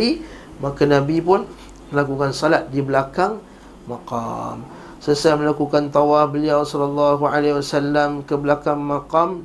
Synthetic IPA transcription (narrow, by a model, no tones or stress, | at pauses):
i | makanãbip̬ʊn | məlakukansɔlat̪̚dibəlakaŋ | maqa̰m | səsaaməlakukant̪ɔwafbəliawsɔlɔlːɑɦualewasalːamkəblakaŋmaqam